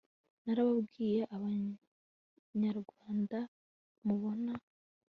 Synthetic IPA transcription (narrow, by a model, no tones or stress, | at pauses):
naɾaβabɡiːje̞ʔaβa | ɲaɾɡwaːnda | muβo̞na